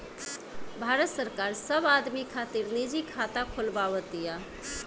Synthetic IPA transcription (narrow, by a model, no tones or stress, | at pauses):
bʱaːɾət̪səɾkaːɾsəbad̪mikʰat̪iɾnid͡ʒikʰat̪akʰolbaʋət̪ija